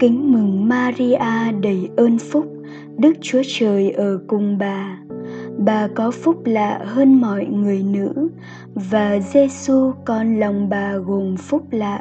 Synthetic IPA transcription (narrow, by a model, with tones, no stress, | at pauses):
kï˨˦ŋ̟mɨ˨˩ŋmaː˧zi˧ʔaː˧ɗə˧˩jʔəː˧nfʊ˦˥k͡p̚ | ɗɨ˦˥k̚t͡ɕu˨˦ət͡ɕəː˨˩jʔəː˧˩kʊ˨˩ŋ͡mɓaː˨˩ | ɓaː˨˩kɔ˨˦fʊ˦˥k͡p̚la̰ː˧˨həː˧nmɔ̰˧˨jŋɨ˨˩əjnɨ̰˧˥ | vaː˨˩ze˧su˧kɔ˨˩nla˨˩wŋ͡mɓaː˨˩ɣo˨˩mfʊ˦˥k͡p̚la̰ː˧˨ʔ